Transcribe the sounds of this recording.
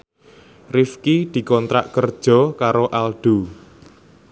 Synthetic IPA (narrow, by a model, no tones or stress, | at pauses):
rifkid̪̥i̤kɔnt̪ɾa̰ʔkərd̥ʒ̥ɔ̤kaɾoʔalɖ̥ṳ